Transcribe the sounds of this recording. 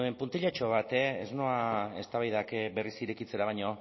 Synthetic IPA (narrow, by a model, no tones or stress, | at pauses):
empunt̪iʎat͡ʃo̞β̞at̪eeznoae̞st̪aβajðakbe̞risiɾekit͡se̞ɾaβaɲo̞